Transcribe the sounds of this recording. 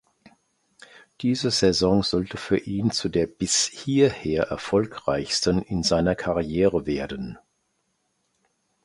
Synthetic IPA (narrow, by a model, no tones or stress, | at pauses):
d̥iːzəzɛzɔŋz̥ɔltəfyːɐʔiːnt͡sudeːɐb̥ɪshiːɐheːɐʔɛɐfɔlkʁ̥a̰ɪçstənɪnzaɪnɐkʰaʁiɛːʁəveːɐdən